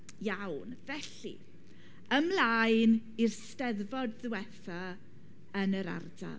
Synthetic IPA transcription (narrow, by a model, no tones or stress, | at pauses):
jawnvɛɬḭ | əmlaːjn | irstɛðvɔdðɪwɛθa | ənəɾa̰rda̰l